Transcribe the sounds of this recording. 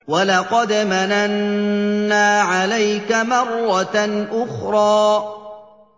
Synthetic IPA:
walɑqɑd̪mananː | aːʕalajkamɑrˤːɑnʔʊxɾˤɑː

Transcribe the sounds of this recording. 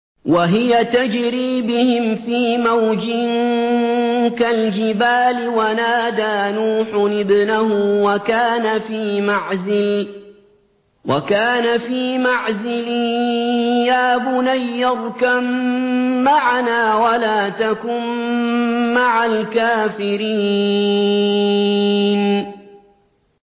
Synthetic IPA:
waɦɪjat̪ad͡ʒɾiːbɪhɪmfiːmawd͡ʒɪŋŋ | kald͡ʒɪbaːlɪwanaːd̪aːnuːħʊʔɪbnahʊwakaːnafiːmaʕzɪl | wakaːnafiːmaʕzɪli | jaːbʊnajːɑɾˤkamː | aʕanaːwalaːt̪akʊmː | aʕalkaːfɪɾiː | n

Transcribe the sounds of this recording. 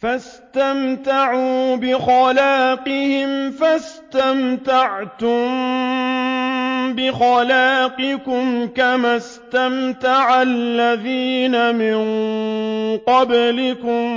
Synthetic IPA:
fas | t̪amt̪aʕuːbɪxɑlaːqɪhɪmfast̪amt̪aʕt̪ʊm | bɪxɑlaːqɨkʊmkamas | t̪amt̪aʕalːaðiːnamɪn | qɑblɪkʊm

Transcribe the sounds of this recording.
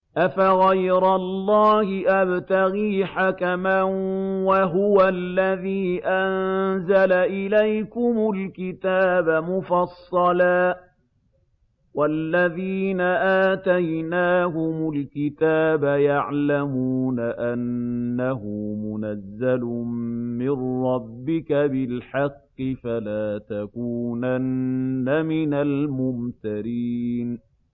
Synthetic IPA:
ʔafaɣajɾalˤːɑːhɪʔabt̪aɣiːħakamanwaɦʊwalːaðiːʔanzalaʔɪlajkʊmʊlkɪt̪aːbamʊfɑsˤːɑlaː | walːaðiːnaʔaːt̪ajnaːɦʊmʊlkɪt̪aːbajaʕlamuːnaʔanːahʊmʊnazːalʊmmɪnɾɑbːɪkabɪlħɑqːɪfalaːt̪akuːnanːamɪnalmʊmt̪aɾiːn

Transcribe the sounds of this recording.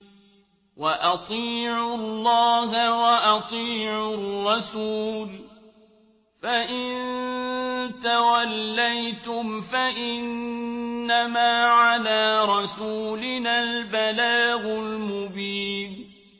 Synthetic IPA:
waʔɑt̪ˤiːʕʊlːɑːɦawaʔɑt̪ˤiːʕʊrrːɑsuːl | faʔɪnn | t̪awalːajt̪ʊmfaʔɪnː | amaːʕalaːɾˤɑsuːlɪnaːlbalaːɣʊlmʊbiːn

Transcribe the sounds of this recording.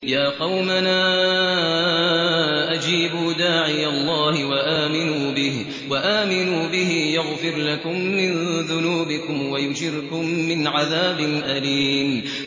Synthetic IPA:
jaːqɑwmanaː | ʔad͡ʒiːbuːd̪aːʕɪjalˤːɑːhɪwaʔaːmɪnuːbɪh | waʔaːmɪnuːbɪhɪjʊɣfɪɾlakʊmːɪnðʊnuːbɪkʊmwajʊd͡ʒɪɾkʊmːɪnʕaðaːbɪnʔaliːn

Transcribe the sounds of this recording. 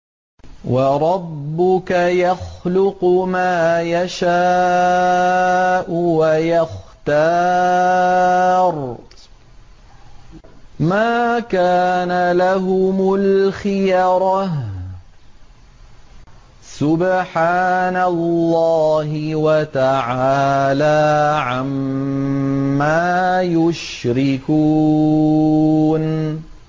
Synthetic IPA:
wɑɾˤɑbːʊkajaxlʊqʊmaːjaʃaː | ʔʊwajaxt̪aː | ɾˤ | maːkaːnalaɦʊmʊlxɪjɑɾˤɑ | sʊbħaːnalːɑːɦɪwat̪aʕaːlaːʕam | aːjʊʃɾɪkuː | n

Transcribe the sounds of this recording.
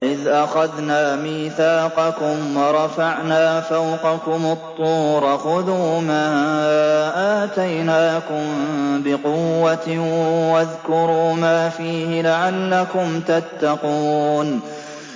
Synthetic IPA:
ʔɪðʔaxaðnaːmiːθaːqɑkʊmwɑɾˤɑfaʕnaːfawqɑkʊmʊt̪ˤːuːɾˤɑxʊðuːmaː | ʔaːt̪ajnaːkʊmbɪqʊwːat̪waðkʊɾuːmaːfiːhɪlaʕalːakʊmt̪at̪ːɑquːn

